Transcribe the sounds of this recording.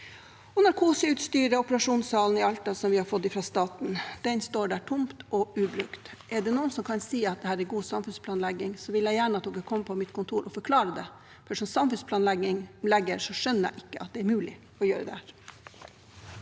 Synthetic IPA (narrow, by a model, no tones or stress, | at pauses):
ɔnɔɾkʰuːsəʉːt̪st̪yːɾəɔpəɾɑʂuːnsɑːln̩ɪɑlt̪ɑsɔmʋɪhɑɾfɔt̪ːɪfɾɑst̪ɑːt̪n̩d̪̥ɛnst̪oːɖæːʈʰʊmt̪ɔʉːbɾʉkt̪ʔɛɖɛnuːənsɔmkʰɑnsiːɑt̪̚d̪ɛhæːɾɛɾɡuːsɑmfʉnspʰlɑːnlɛɡːɪŋsɔʋɪljæɪjæːɳəɑt̪d̪ukːəkʰɔmːəpʰɔmɪt̪kʰʊnt̪ʰuːɾʔɔfɔɾkʰlɑːɾəd̪ɛ̰ | fʂɔmsɑmfʉnspʰlɑːnlɛɡɪŋlɛɡːəɾʂɔʂœnːəɾæ̰ɪʔɪkːəɑt̪̚d̪ɛɛɾmʉːlɪ | ɔjøːɾəd̪ɛhæːɾ